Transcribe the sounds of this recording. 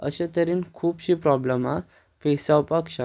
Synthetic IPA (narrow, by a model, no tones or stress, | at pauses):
ə̰ɕẽt̪əɾiːnkʰuːpɕipɾɔbləma | fesawpakɕa